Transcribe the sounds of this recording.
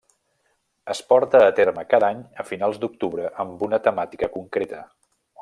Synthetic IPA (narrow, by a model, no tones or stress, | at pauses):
əspɔɾt̪əːt̪eɾməkaðaɲəfinalˠzd̪uk̚t̪uβɾəʔəmbunət̪əmat̪i̥kəkuŋkɾet̪ə